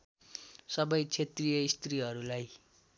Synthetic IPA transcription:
sʌbʌjt͡sʰet̪rijʌist̪riɦʌɾulaj

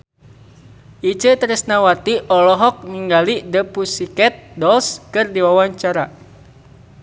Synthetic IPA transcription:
ʔit͡ʃət̪əɾɛsnawat̪iʔɔlɔɦɔk̚niŋɡalidəpusikɛt̪̚dɔlskɨrdiwawaɲt͡ʃaɾa

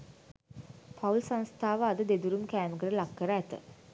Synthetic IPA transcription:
pʰaulsãnst̪ʰaːʋəad̪əd̪ed̪uɾumkæːməkəɾəlakːəɾəæt̪ə̰

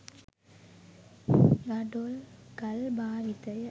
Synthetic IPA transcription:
ɡɐɖolkɐlbaːʋɪt̪ːɐɪ

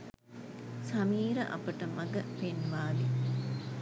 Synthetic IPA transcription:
sɐmiːɾəʔɐ̰pəʈəmɐɡəpenʋaːli

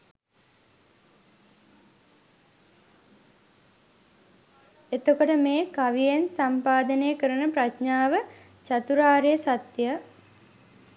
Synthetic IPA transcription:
et̪okoʈəmeːkaʋijensampaːd̪əneːkəɾənəpraʃɲaːʋə | t͡ʃat̪uɾaːɾejəsat̪ja

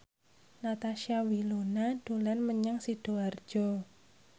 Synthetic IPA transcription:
nat̪aʃiawilonad̥olanməɲəŋsid̥o̤ard̥ʒ̥ɔ

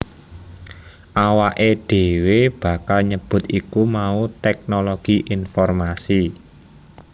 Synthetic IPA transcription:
ʔawaʔeɖ̥e̤web̥ä̤kalɲəb̥ʊ̤t̪ikumaut̪ɛk̚noloɡ̥iʔinfɔrmasi

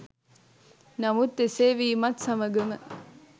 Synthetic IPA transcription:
nɐmut̪ːeseːʋiːmɐt̪sɐməɡemə

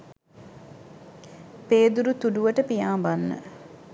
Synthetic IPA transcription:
peːd̪uɾut̪uɖuʋəʈəpijaːbanːə̰

